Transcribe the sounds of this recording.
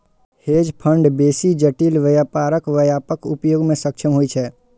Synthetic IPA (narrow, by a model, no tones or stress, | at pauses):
heːd͡ʒpʰə̃ɳɖbeːsid͡ʒəʈiːlʋəjaːpaːɾəkʋəjaːpəkʊpjoːɡmẽsəkʃʰəmɦoit͡ʃʰɛː